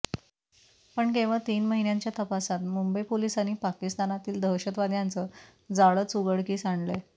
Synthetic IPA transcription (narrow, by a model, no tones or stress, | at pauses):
pəɳk̬ẽʋəɭt̪iːnməɦinjãɲt͡ɕjat̪əpasat̪mumbəjpolisanipakist̪anat̪iːld̪ʱəɕət̪ʋad̪jant͡sə | d͡zaɭəːt͡suɡəɽkiːsaɳɖle